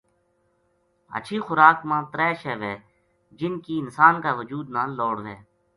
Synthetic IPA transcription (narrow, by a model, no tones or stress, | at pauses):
ə̰t͡ʃʰiːxʊɾaːkmãːt̪ɾɛːʃɛːʋeː | d͡ʒɪnkiːɪnsaːnkaːʋəd͡ʒuːd̪naːnloːɽʋɛː